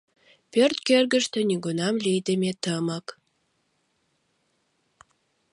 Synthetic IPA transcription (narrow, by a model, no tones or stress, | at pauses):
pørt̪kørɡə̆ʃt̪ĕniɡunɑmlijd̪əmʲet̪əmək